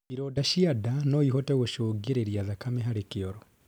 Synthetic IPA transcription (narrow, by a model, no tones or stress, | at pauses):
iɾɔːdaʃiadanɔiɦɔtɛɣoʃoːɡeɾeɾiaðakamɛɦaɾekeɔɾɔ